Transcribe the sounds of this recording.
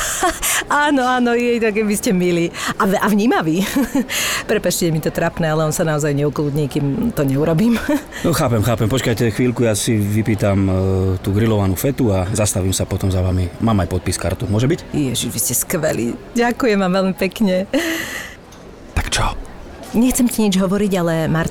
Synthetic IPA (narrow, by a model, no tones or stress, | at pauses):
aːnɔaːnɔjɛjt̪ɔkɛbiscɛmiliaɛʔaʋɲiːmaʋiː | pɾɛpat͡ʃcɛmit̪ɔt̪ɾapnɛalɛɔnsanaɔzajɲɛukluːd̪ɲiːkiːmt̪ɔɲɛuɾɔbiːmnɔxaːpɛmxaːpɛmpɔt͡ʃkajcɛxʋiːlkujaːsiʋipiːt̪amt̪uːɡɾilɔʋanufɛt̪uazast̪aʋiːmsapɔt̪ɔmzaʋamimaːmajpɔt̪̚piska̰ɾt̪umʊɔʒɛbicjɛʒiʒʋiscɛskʋɛlḭː | ɟakujɛmʋamʋɛlmipɛkɲɛ | t̪ḁkt͡ʃɔ | ɲɛxt͡sɛmcɛɲid͡ʒɦɔʋɔɾiɟalɛmaɾ